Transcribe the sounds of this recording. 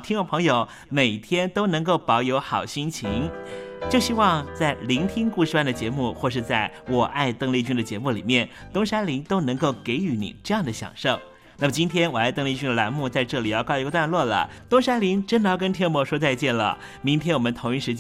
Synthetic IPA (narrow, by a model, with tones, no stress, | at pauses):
t̪ʰi˥ŋo˥˩pʰɤ˧˥ŋjo˨˧˦ʊ | me˨˩ɪt̪ʰjɛ˥nt̪o˥ʊnɤ˧˥ŋk̬o˥˩ʊpɑ˧˥ʊjo˧˥ʊxɑ˨˩ʊɕi˥nt͡ɕʰi˧˥ŋt͡ɕjo˥˩ʊɕi˥wɑ˥˧ŋt͡sa˥˩ɪli˧˥ŋt̪ʰi˥ŋku˥˧ʂɻ̩˥pwa˥˩nd̪ə˩t͡ɕjɛ˧˥mu˥˧xwɔ˥˧ʂɻ̩˥˧t͡sa˥˩ɪwɔ˨˩ʔa˥˧ɪt̪ɤ˥˧ŋli˥˧t͡ɕy˥nd̪ə˨t͡ɕjɛ˧˥mu˥˩li˨˩mjɛ˥˩n | t̪ʊ˥ŋʂa˥nli˧˥nt̪o˥ʊnɤ˧˥ŋko˥˩ʊke˧˥ɪy˧˥nḭ˨˩ʈ͡ʂɤ˥˧jɑ˥˩ŋd̪ə˩ɕjɑ̰˨˩ŋʂo˥˩ʊ | na˥˩mə˩t͡ɕi˥nt̪ʰjɛ˥nwɔ˨˩a˥˩ɪt̪ɤ˥ŋli˥˩t͡ɕy˥nd̪ə˨la˧˥nmu˥˧t͡sa˥˧ɪʈ͡ʂɤ˥˩li˨˩˦jɑ˥˧kɑ˥˧ʊ˧˥ɡə˧t̪wa˥˧nlwɔ˥˩lə̰˩ | t̪ʊ˥ŋʂa˥nli˧˥ŋʈ͡ʂə˥nd̪ə˨jɑ˥˩ʊkə˥nt̪ʰjɛ˥mwɔ˧˥ʂwɔ˥t͡sa˥˧ɪt͡ɕjɛ˥˩nlə̰˩ | mi˧˥ŋt̪ʰjɛ˥nwɔ˨˩mə˦nt̪ʰʊ˧˥ŋi˥˩ʂɻ̩˧˥t͡ɕ